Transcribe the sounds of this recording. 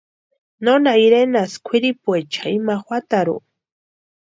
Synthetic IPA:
nonaiɾenaskʰʷwiɾipuet͡ʃaimaxwat̪aɾṵ

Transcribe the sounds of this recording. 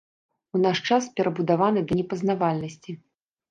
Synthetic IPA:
unaʂt͡ʂaspʲɛɾɐbud̪avanɨd̪ɐnʲɛpɐznavalʲnɐsʲt͡sʲi

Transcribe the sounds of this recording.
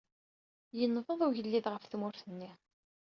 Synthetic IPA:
jənːvˤəðˤuʝəlːiðʁəfθmʊɾθənːi

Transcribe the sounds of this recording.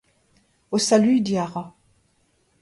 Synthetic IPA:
osalyd̪iaʁa

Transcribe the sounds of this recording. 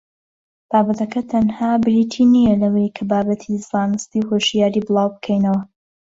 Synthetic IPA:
b̥aːbɐt̪ʰɐkʰɐt̪ʰɐnhaːbɨɾit̪ʰiːnijɐlɐwejkʰɐbaːbɐt̪ʰizɑːnɨst̪ihoːʃjaːɾibɨlˠɑːwbɨkʰɛjnɐwɐ

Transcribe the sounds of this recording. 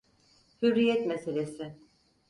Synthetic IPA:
hyɾːijɛt̪meselʲesɪ

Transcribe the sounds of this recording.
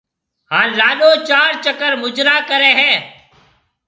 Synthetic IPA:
ɦãːlaːɗoːt͡ʃaːɾt͡ʃəkəɾmʊd͡ʒɾaːkəɾẽːɦɛ̃ː

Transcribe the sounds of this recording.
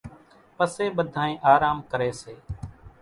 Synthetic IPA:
pəseːɓəd̪ʱaːẽːʔaːɾaːmkəɾeːseː

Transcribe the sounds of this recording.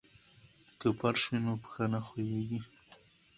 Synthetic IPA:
kəpaɾʃinopə̥xanaxojeɡi

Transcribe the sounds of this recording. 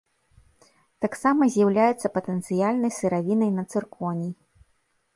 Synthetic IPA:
t̪aksamɐzʲjawlʲajɛt̪sːɐpɐt̪ɛnt̪sɨjalʲnɐjsɨɾavʲinɐjnɐt̪sɨrkʰɔnʲi

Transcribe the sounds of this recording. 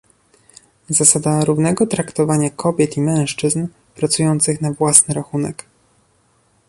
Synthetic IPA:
zasad̪aɾuvn̪ɛɡɔt̪ɾakt̪ɔvaɲakʰɔbʲjɛt̪imɛ̃w̃ʂt͡ʂɘzn | pɾat̪sujɔnt̪sɘxnavwasnɘɾaxunɛk

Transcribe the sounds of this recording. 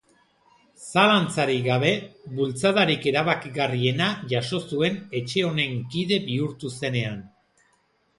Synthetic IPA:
salant͡saɾiɣaβ̞e̞βult͡saðaɾike̞ɾaβakiɣarie̞naʝaʃo̞sue̞ne̞t͡ʃe̞o̞ne̞ŋkiðe̞biuɾt̪use̞ne̞an

